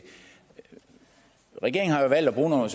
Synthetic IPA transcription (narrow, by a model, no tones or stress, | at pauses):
ʁɛɡ̥e̝ɐ̰eŋ̩hɑ̈jo̝ʋæl̰d̥ɒb̥ʁuːnɔs